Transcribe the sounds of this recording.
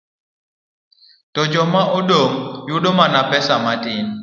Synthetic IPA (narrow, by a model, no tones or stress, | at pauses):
tɔd͡ʒɔmaʔɔɗomjuɗomanapɛsamatɪn